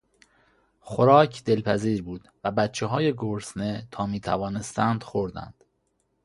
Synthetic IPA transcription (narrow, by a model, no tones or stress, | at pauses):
xoɾɒːcʰd̪e̞lpʰæziːɾbuːd̪̥væbæt̪t͡ʃʰeɦɒːjeɡoɾsnet̪ʰɒːmiːt̪ʰæ̰vɒːne̞st̪ænd̪̥xoɾd̪æ̰nd̪̥